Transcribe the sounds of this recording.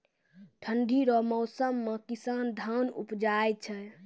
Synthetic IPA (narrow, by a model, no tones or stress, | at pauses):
ʈʰənd̪ʱiɾɔmɔʊsəmːekisand̪ʱanṵpd͡ʒajt͡ʃʰɛ